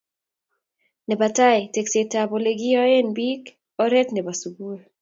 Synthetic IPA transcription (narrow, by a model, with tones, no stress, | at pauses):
nɛ˨ba˨ta˦jtekse˨taboleɡi˦ɔ˦e˦nbi˦k | ɔ˦ɾɛ˦t̪nɛ˨ba˨suɡu˦l